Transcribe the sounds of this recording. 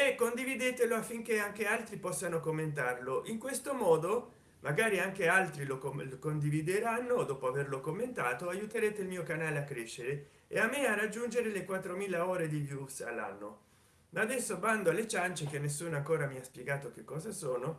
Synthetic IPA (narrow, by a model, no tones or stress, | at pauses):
ɛkːond̪ivid̪eːt̪eloafːiŋkeaŋk̟ealt̪ɾipɔsːanokomːent̪arloʔiŋkwest̪omɔːd̪o | mʔaɡaːɾiaŋk̟ealt̪ɾiloklokond̪ivid̪eɾanːod̪ɔːpoaverlokomːent̪aːt̪oajut̪eɾeːt̪eilmiːokanaːleakːɾeʃːeɾe | ḛamːearad͡ʒːund͡ʒeɾelekwat̪ːɾomiːlaoːɾed̪ivjusa̰lːa̰nːo | maːd̪ɛsːoband̪oalːet͡ʃant͡ʃek̟enːes̬ːuːnoaŋkoːɾamiaspjeɡaːt̪ok̟ekːɔːzasoːno